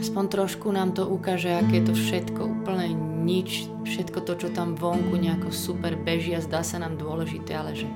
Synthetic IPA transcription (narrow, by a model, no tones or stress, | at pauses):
aspɔnt̪ɾɔʃkunaːmt̪ɔʔukaːʒɛakɛɛt̪ɔfʃɛt̪kɔuːpl̩ɲɛɲit͡ʃ | fʃɛt̪kɔt̪ɔt͡ʃɔt̪amʋɔŋkuɲɛakɔsupɛɾbɛʒiazd̪aːsanaːmd̪ʊɔlɛʒit̪ɛːalɛʒɛ